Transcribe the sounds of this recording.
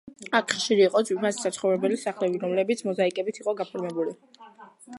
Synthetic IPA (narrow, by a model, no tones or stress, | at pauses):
akʰχʃiɾiːqʼɔd̪wipʰnasi̥sat̪sʰχɔvɾɛbɛlisaχlɛbiɾɔmlɛbit̪sʰmɔzaikʼɛbit̪ʰiqʼɔɡapʰɔɾmɛbuli